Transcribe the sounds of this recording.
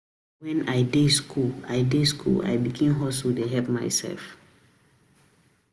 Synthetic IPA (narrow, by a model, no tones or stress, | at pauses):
wɛ̃najdeskʰulajdeskʰṵla̰jbiɡĩmɦɔsudeɦɛpmajsɛ̰lf